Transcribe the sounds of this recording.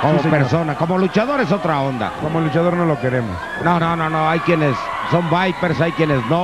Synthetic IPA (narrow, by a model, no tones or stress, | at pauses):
komospeɾso̞nako̞molut͡ʃaðo̞ɾes̬o̞t̪ɾao̞nd̪a̰komoelut͡ʃaðoɾnolokeɾemo̰s | nonononoajkjenes | so̞mbajpeɾsajkjenezno